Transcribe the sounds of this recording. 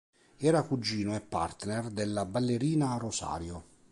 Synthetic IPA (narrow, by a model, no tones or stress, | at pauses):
ɛːɾakud͡ʒːiːnoɛpːa̰rt̪nerd̪elːabalːeɾiːnarosa̰ːɾjo